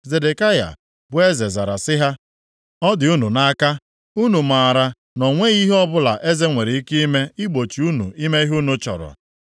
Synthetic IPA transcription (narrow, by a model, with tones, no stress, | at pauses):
ze˨de˨ka˦ja̰˨ | bʊ˨˦e˦ze˨za˨ɾa˨sɪ˦ɦa˦ | ɔ˦dɪ˨u˦nu˨na˦ka˦ | u˦nu˨ma˨ɾa˨ | nɔ˨ŋʷe˦ɣi˦ɦe˦ɔ˦bʊ˦la˨ʔe˦ze˦ŋʷe˨ɾe˨i˦ki˦i˦me˦i˦ɡ͡bo˨t͡ʃi˨u˦nṵ˨i˦me˦i˦ɦu˦nu˦t͡ʃɔ̰˨ɾɔ̰˨